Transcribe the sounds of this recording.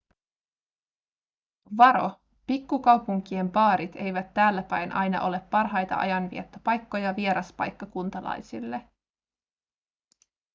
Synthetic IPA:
ʋɑɾo̞̰ | pikːukɑwpuŋk̟ie̞mpɑːɾit̪e̞jʋæt̪ːæːlːæpæjnʔɑ̰jnɑ̰ʔo̞le̞pːɑrɦɑjt̪ɑ̰ʔɑ̰jɑnʋḭet̪ːypɑjkːo̞jɑʋie̞ɾɑspɑ̰jkːɑkunt̪ɑlɑ̰jsilːe̞

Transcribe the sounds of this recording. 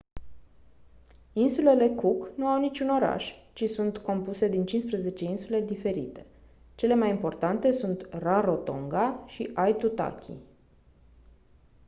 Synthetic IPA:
insule̞le̞kuknuawnit͡ʃʲuno̞ɾa̰ʃt͡ʃisunt̪ko̞mpuse̞d̪int͡ʃinspɾeze̞t͡ʃe̞insule̞d̪ife̞ɾḭt̪e̞̥ | t͡ʃe̞le̞majimpo̞rt̪ant̪e̞sunt̪raɾo̞t̪o̞̰ŋɡaʃiʔajt̪ut̪a̰kʲʰḭ

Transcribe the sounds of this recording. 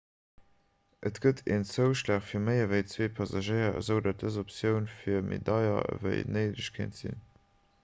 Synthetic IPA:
ʔətɡ̥ətʰeːnt͡səʊʃtaːχfiːɐməɪɐvəɪt͡sweːpʰɑzɑʒəɪɐə̰zəʊdat̚dəzopsjəʊnfiːɐmʔḛdɑɪɐ̰ə̰və̰ɪnəɪdəɕkʰḛntz̥ḭn

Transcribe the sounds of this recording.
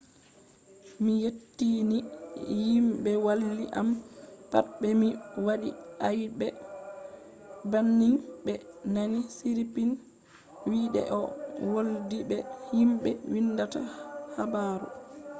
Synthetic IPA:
mijetːinijimbɛwalːiʔampatɓɛmiwaɗiajbɛ | banːiŋbɛnanisiɾipin | wiːɗɛ̰ʔɔwoldibɛhimɓɛwinːdata̰habaːɾɔ̰

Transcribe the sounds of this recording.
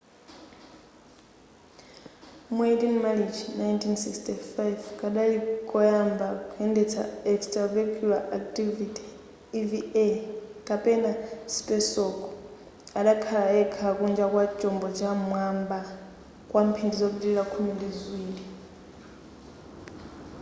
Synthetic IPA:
muɛtinmalid͡ʒʰinajntʰinsikstifajvkʼaɗalikʼɔjambakʰuɛndɛt͡sʰa̰ɛkstʼravakʰʼulaʔak̚tʼivitʰʼi̥ː | viekʼapʼɛnasi̥pʼɛsɔkʼɔ | aɗakʰalaɛkʰakund͡ʒakwat͡ʃʼɔmbɔt͡ʃamwamba | kʼwam̩pʰindizok̬utʼiiɺakʰumindizwiːli

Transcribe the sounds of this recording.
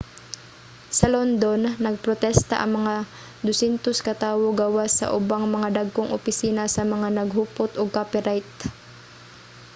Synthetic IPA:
sɐlond̪onːɐɡ̚pɾot̪ɛst̪ɐ̰ʔɐŋmɐŋa | d̪ʊsɛnt̪oskɐt̪aːwoɡawasɐ̰ʔʊbaŋmɐŋad̪aɡ̚koŋʔʊpɪsiːnɐsɐmɐŋanɐɡɦuːpot̪ʔoɡ̚kapɛɾajt̪̚

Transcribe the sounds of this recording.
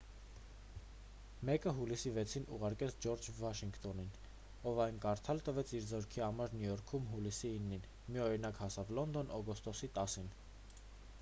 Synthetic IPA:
mɛkəɦulisivɛt͡sʰinʔṵʁɑɾkɛt͡sʰd͡ʒɔɾd͡ʒvɑʃiŋkt̪ɔnin | ɔvɑjnkɑɾt̪ʰɑlt̪əvɛt͡sʰiɾzɔɾkʰiɑmɑɾnjujɔɾkʰumɦulisiːnːin | miɔɾinɑkhɑsɑvlɔnd̪ɔnɔɡɔst̪ɔsit̪ɑsin

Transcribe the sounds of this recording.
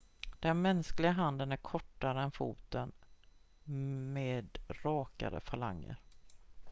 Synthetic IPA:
d̪̥ɛnmɛnsklɪɡaɦand̪ənæɾkʰɔʈːaɾəɛnfṵːt̪ən | meːd̪ɾɑːka̰ɾə̰fala̰ŋːə̰ɾ

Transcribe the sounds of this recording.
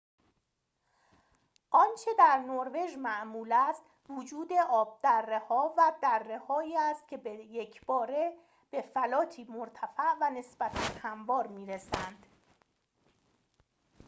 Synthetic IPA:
ʔɒnt͡ʃʰe̞d̪æɾnoɾve̞ʒmæʔmuːlæst̪ | vod͡ʒuːd̪e̞ʔɒːb̚d̪̥ærːehɒːvæd̪ærːe̞hɒːiːæst̪̚cʲʰe̞bejecʰb̥ɒːɾe | b̥e̞fælɒːt̪ʰiːmoɾt̪ʰæfæʔvæne̞sb̥æt̪ʰænhæmvɒːɾmiːɾesænd̪̥

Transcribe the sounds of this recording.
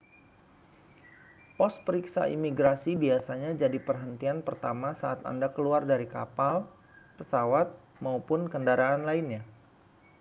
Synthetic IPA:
pɔs̚pəɾiksa̰ʔḭmiɡɾasibiasaɲad͡ʒadipərɦənt̪ianpərt̪amasaʔːt̪a̰ndakəluardaɾika̰pal | pəsawat̪̚ | maupʊnkəndaɾaːnlainɲa

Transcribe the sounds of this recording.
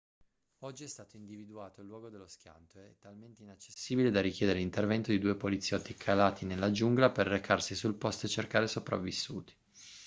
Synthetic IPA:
ɔd͡ʒːiɛst̪aːt̪oind̪ivid̪uaːt̪oilːwɔːɡod̪elːosk̟ja̰nt̪oeɛt̪ːalment̪einat͡ʃːe̥sːiːbiled̪arikjɛːd̪eɾeint̪ervɛnt̪od̪id̪uːepolit̪sːjɔt̪ːikʰalaːt̪ʰinelːad͡ʒuŋɡlaperːekʰarsisulpɔst̪et͡ʃːerkaːɾesopɾa̰vːisːṵːt̪i̥

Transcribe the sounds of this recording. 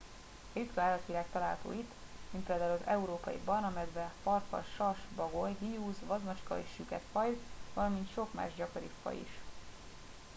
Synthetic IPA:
ɒjit̪kɒaːlɒt̪ʋilaːkt̪ɒlaːlɦɒt̪o̰ːit̪ː | minpeːld̪aːulɒzɛuɾoːpɒ̰jḭbɒrnɒmɛd̪bɛfɒrfɒ̰ʃɒrʃbɒɡojɦijuːzʋɒzmɒt͡ʃkɒ̰eːʃːykɛ̰t̪fɒjzvɒlɒmint̪ʃo̞kma̰ːʒɟɒko̞ɾḭfːɒ̰ḭʃ

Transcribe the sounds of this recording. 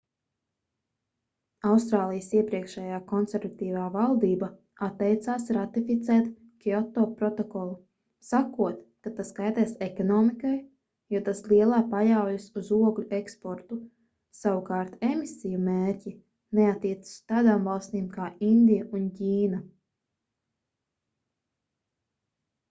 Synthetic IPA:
awst̪ɾaːlˠijəsiɛpɾiɛkʃɛjaːkɔnseɾvat̪iːvaːvalˠd̪iːba | at̪ːɛjt̪saːsɾat̪ifit̪sɛːt̪ | kiɔt̪ːɔːpɾɔt̪ɔkɔlˠu | sakuɔt̪kat̪askajt̪ɛsekɔnɔːmikaj | jut̪aslˠiɛlˠaːpajawjsuzuɔɡlʲuekspɔɾt̪u | sawukaːɾt̪emisijumeːɾʲcʲi | neat̪ːiɛt̪sḁst̪aːd̪aːmvɑlˠst̪iːmkaːind̪ijaʔunciːna

